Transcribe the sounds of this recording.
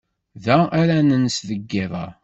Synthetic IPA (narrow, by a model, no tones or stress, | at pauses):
ðæaɾænənsðəɡːɪðˤɑ̰